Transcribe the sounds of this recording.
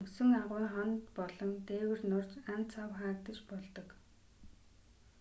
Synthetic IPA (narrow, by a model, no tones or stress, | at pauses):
ŋsɵ̆ŋaʁʊːŋχɔnt̪pɔɮɞ̆nt̪eːwɘ̆rnʊr̥t͡ɕant͡sʰawχaːk̚t̪ə̆t͡ɕpɔɮt̪ɞ̆k